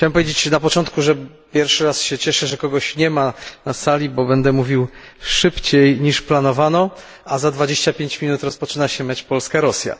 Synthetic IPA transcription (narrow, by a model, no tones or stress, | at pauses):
t͡ɕawɛmp̬ɔvʲjed͡ʑet͡ɕnapɔt͡ʂɔnt̪̚kuʐɛ | pʲjɛɾfʂɘɾasɕɛt͡ɕɛʂɛʐɛkɔɡɔɕɲɛmanasalʲibɔbɛnd̪ɛmuvʲiw | ʂɘpt͡ɕejɲiʂplanɔvanɔ | azad̪vad͡ʑeɕt͡ɕapʲjeɲt͡ɕmʲinut̪ɾɔspɔt͡ʂɘnaɕɛmʲat͡ɕpɔlskaɾɔsʲja̰